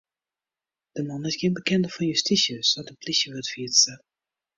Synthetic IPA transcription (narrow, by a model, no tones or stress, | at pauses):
d̥əmɑnɪsɡɪənbəkɛndəfɔnjystisjəsʋɔtənplisjəʋøtfiətsə